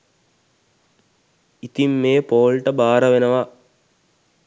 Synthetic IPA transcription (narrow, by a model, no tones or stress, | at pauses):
it̪imːeːpoːlʈəbaːɾəʋenəʋa